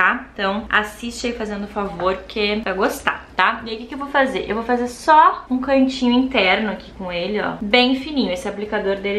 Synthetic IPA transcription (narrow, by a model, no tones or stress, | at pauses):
t̪ãt̪ɐ̃w̃a̰sist͡ʃɪeifazẽnd̪ʊfavoɾkʰepɾaɡost̪a̰t̪aiaikɪkɪewvowfazeɾʔḛwvowfazeɾsɔũkɐ̃nt͡ʃĩɲʊĩt̪ɛɾnʊakikõelɪɔ̰bẽj̃finĩɲʊesɪaplikad̪oɾd̪elɪ